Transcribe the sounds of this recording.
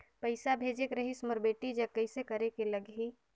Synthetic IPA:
pɐɪsabʱeːd͡ʒekɾɐɦisməɾbeːʈid͡ʒɐkɐɪsekɐɾekelɐɡɦi

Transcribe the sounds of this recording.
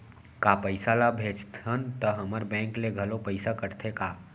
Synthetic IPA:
kapəɪsalabʱeːd͡ʒt̪ʰənt̪əɦəməɾbɛ̃ːŋkleɡʱəlopəɪsakəɾt̪ʰekaː

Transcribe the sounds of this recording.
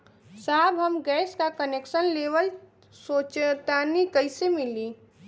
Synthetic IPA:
saɦbʱɦəmɡɛːskakəneksənleʋəl | sot͡ʃt̪anikəɪsemili

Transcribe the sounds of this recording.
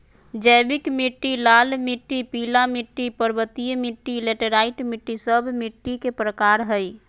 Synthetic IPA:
d͡ʒəjbikmiʈːilalmiʈːipilamiʈːipəɾbət̪ijmiʈːileʈəɾaiʈmiʈːisəbʱmiʈːikepɾəkaɾɦəj

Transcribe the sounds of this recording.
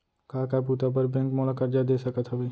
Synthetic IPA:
kaːkap̬ut̪ap̬əɾbɛ̃ːŋkmɔːlakɐɾd͡ʒad̪eːsɐkət̪ʰɦabi

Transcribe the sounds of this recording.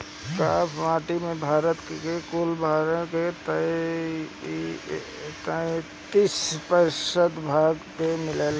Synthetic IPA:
kaːpʰʋãːʈimẽbʱaːɾət̪kkekoːlbʱaːɾket̪ə | t̪ə | t̪ispəsəd̪bʱaːɡpemɪleːl

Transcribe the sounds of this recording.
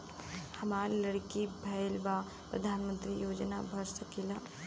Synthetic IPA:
hɐmaːɾlɐɽkibʱɐɪlʋa | pɾə̰d̪ʱaːnmə̃nt̪ɾijoːd͡ʒnabʱɐɾsəkilaː

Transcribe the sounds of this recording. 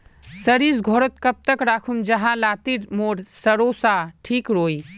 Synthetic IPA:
səɾisɡʱoɾot̪̚kəp̚t̪əkɾakʰumd͡ʒəɦãlat̪iɾmoɾsəɾosaʈʰikɾoj

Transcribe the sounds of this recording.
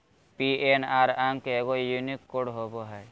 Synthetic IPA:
pienaɾaŋkeeɡojunikːoɽɦoboɦɛ

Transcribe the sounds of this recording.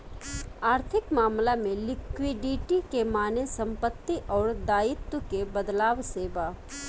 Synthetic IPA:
aːɾt̪ʰɪkmaːmlamẽlɪkwɪɖiʈikemaːnesɐ̃mpət̪ːiʔɔːɾd̪aːɪt̪wəkebəd̪laːʋseːba

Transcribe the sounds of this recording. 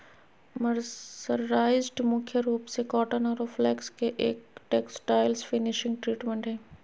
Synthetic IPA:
mɐɾsəɾpɾaːɪzɖmʊkʰjəɾuːpsekɔːʈonəɾoflɛːkskeʔeːk̚ʈeːksʈaːɪlzfɪnɪʃɪ̃ŋɡ̚ʈɾiːʈmẽɳʈɦɛ̃ː

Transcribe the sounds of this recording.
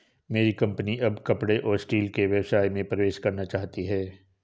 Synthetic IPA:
meːɾikɐ̃mpəniʔɐbkɐpɽeʔɔːɾsʈiːlkeʋjɐwsaːjmẽpɾɐʋeːʃkɐɾnat͡ʃaːɦt̪iɦɛː

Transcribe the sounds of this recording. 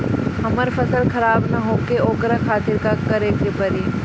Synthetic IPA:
ɦɐməɾfɐsəlxɐɾaːbnɐɦoːkeoːkɾakʰaːt̪ɪɾkakɐɾeːkepɐɾiː

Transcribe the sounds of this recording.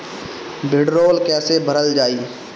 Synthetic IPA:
bʱɪɖɾoːlkɛːsebʱəɾəld͡ʒaːiː

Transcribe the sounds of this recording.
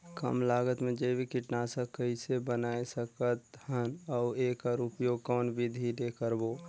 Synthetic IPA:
kə̰mlaːɡət̪mẽd͡ʒebʱikɪʈnasəkəisebənaːesəkət̪hənɔːeːkaɾupjoːɡ̚kɔːnbʱid̪ʱid̪ekəɾboː

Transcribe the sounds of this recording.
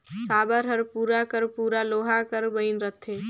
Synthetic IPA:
sabəɾɦəɾpuɾakəɾpuɾaloɦakəɾbəɪnɾət̪ʰe

